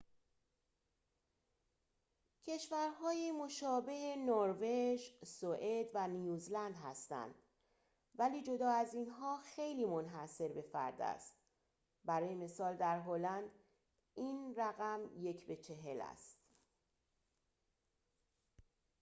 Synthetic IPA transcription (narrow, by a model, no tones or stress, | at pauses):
cʰe̞ʃvæɾɦɒːjemo̞ʃɒːbe̞henoɾve̞ʒsoʔed̪vænjuːzlænd̪ɦæst̪æ̰nd̪̥ | væliːd͡ʒo̞d̪ɒːæziːnɦɒːxe̞jliːmo̞nɦæse̞ɾbe̞fæ̰ɾd̪æ̰st̪̚ | bæɾɒːjeme̞sɒːld̪æɾɦolænd̪ | iːnræɣæmje̞cʰbe̞t͡ʃʰe̞ɦe̞læ̰st̪